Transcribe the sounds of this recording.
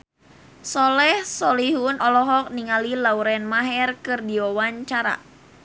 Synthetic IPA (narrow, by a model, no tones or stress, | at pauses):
sɔlɛhsɔliɦunɔlɔɦɔk̚niŋalilauɾɛnmaɦɛrkɨrdiɔwaɲt͡ʃaɾa̰